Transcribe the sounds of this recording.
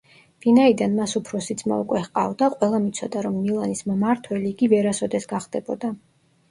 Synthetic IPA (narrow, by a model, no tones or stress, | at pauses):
vinaid̪anmasupʰɾɔsid̪zma̰ukʼwɛχqʼa̰vd̪aqʼwɛlˠamit̪sʰɔd̪aɾɔmːilˠanismmaɾt̪ʰwɛliːɡivɛɾasɔd̪ɛsɡaχd̪ɛbɔd̪a